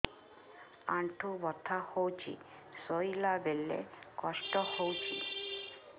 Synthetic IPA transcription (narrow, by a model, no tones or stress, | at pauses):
aɳʈʰubɔt̪ʰahowt͡ʃʰḭ | sojlabelḛkɔʃʈɔhowt͡ʃʰi